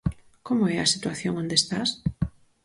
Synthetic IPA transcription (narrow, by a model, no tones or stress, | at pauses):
komoɛɐsit̪waθjoŋond̪est̪as